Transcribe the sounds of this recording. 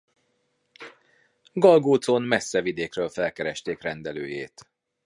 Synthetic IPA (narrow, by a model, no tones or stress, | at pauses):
ɡɒlɡoːt̪sonmɛsːɛvid̪eːkrøːlfɛlkɛɾɛʃt̪eːkrɛnd̪ɛlø̰ːjḛːt̪